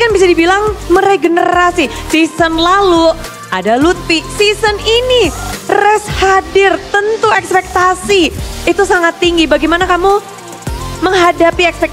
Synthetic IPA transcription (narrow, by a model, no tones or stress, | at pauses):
kanbis̬adibilaŋməɾeɡənəɾasisisənlalu | ʔadalut̪̚ːisisəninirɛshadɪrt̪ənt̪uɛkspɛk̚t̪asiit̪usaŋat̪ːiŋɡibaɡimanakamu | məŋɦadapiɛkspɛk̚